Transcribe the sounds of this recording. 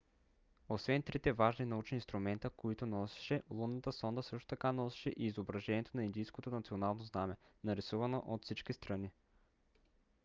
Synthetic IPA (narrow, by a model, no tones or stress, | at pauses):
osvɛnt̪ɾit̪ɛvaʒninɐut͡ʃnʲinst̪ɾʊmɛnt̪əkoit̪ʊnɔsɛ̥ʃɛlˠunnət̪əsɔnd̪əsɤʃt̪o̥t̪ɐkanɔsɛ̥ʃɛʔiːzobɾɐʒɛniɛt̪onɐind̪ijskot̪onɐt̪sionalˠnoznamɛnɐɾisuvɐnoʔot̪fsit͡ʃkist̪ɾɐni